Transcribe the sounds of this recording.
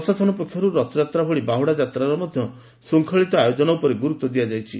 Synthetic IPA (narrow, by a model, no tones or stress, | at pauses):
ɔsad͡ʒʰʱɔnɔpɔkʰːjɔɾuɾɔt̪ɔd͡ʒat̪ɾabʱɔɽibaɦwɽad͡ʒat̪ɾaɾɔmɔd̪ʱjɔ | suŋkʰɔɭit̪ɔajod͡ʒɔnɔupɔɾeɡuɾut̪ːɔd̪ijad͡ʒajt͡ʃʰi